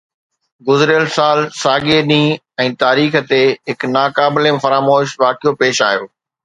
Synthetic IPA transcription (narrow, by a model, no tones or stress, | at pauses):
ɡʊzɾɪjəlsaːlsaːɠeɗĩː | ɛ̃ːt̪aːɾiːxə̆t̪eɦɪknaːkaːblemfɐɾaːmoːʃʋaːkʰijopeːʃaːjoː